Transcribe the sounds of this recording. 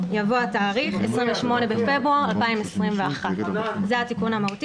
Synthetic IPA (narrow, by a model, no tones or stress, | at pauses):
javoataːʁiχḛsʁiɱveʃmo̞ne̞befe̞bʁuaʁalpaimesʁimve̞aχatzehatikunhamaɦuti